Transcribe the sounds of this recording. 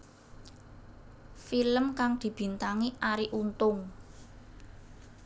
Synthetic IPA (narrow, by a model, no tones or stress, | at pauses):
filəmkaŋd̪̥i̤b̥i̤nt̪aŋiʔaɾiʔunt̪ʊŋ